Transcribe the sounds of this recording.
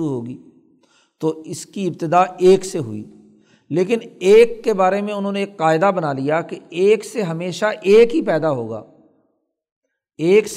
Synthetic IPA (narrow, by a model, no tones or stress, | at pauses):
uɦoːɡiː | t̪oːɪskiɪbt̪ɪd̪aːeːkseɦʊ̰ḭː | leːkɪneːkːebaːɾemẽʊnɦõːneːkːaːɪd̪abənaːlijaːkeeːkseɦɐmeːʃaʔeːkɦipɛːd̪aɦo̰ːɡa̰ː | eːks